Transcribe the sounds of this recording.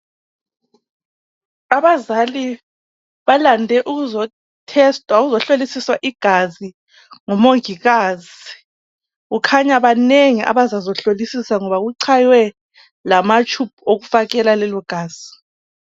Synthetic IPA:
aβazali | βalandʱɛʔuɣuzɔ | tʰɛstʼwaɣuzɔɬolisiswaʔiɡ̥ʱazi | ŋɔmoŋiɣaːz | i | ɣukʰaɲaβaneŋiʔa̰βazazɔɬolisisaŋɔβaɣuǀʰajwɛ | lamat͡ʃʰʼup̚ʰuoɣufaɣɛlalɛlɔɡ̥ʱaːz̥i

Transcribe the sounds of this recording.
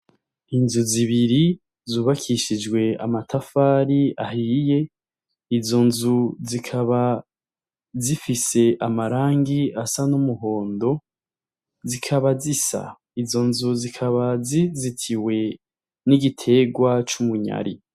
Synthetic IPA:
inzuziβiɾi | zuːβakʰiʃid͡ʒɡwe̞a̰matʰafaːɾia̰ɦije̞ | izo̞nzuzikʰaβa | zifise̞ʔamaɾaːŋɡiasanumuɦo̞ːndo̞ | zikʰaβazisa̰ | izo̞nzuzikʰaβazizitʰiwe̞ | niɡitʰe̞ɡwat͡ʃumuɲa̰ɾḭ

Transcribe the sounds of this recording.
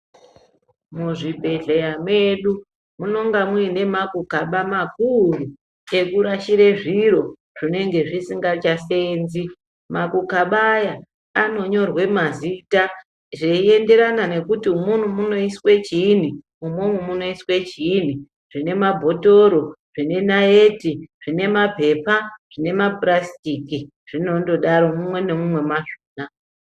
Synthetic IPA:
muʐibʱe̞ɮejamwe̞ɗu | muno̞ŋɡamuine̞makukaɓamakuru | e̞kuɾaʃiɾe̞ʐiɾo̞ | ʐ̥ine̞ŋɡe̞ʐisiŋɡat͡ʃaseːnzi | makukaɓajaː | no̞ɲo̞rwe̞mazita | ʐeie̞nde̞ɾanane̞kutiumun̤umuno̞iswe̞t͡ʃin̤i | umumumuno̞iswe̞t͡ʃin̤i | ʐ̥ine̞mabʱo̞to̞ɾo̞ʐ̥ine̞naetiʐ̥ine̞mape̞paʐ̥ine̞maprastiki | ʐ̥ino̞ndo̞ɗaɾo̞mumwe̞ne̞mumwe̞maʐoːna

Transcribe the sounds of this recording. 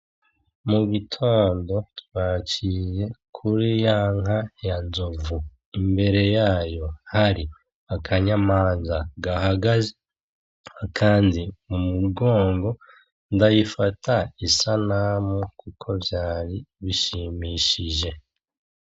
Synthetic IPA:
muɡitʰo̞ːndo̞twaːt͡ʃije̞kʰuɾijaːŋajanzovu | imbe̞ɾe̞jaːjo̞haɾi | akʰaɲamaːnzaɡahaɡaze | kʰaːndiumuɡo̞ːŋɡo̞ | ndajifatʰaisanamukukʰo̞vjaːɾiβiʃimiʃiʒe̞

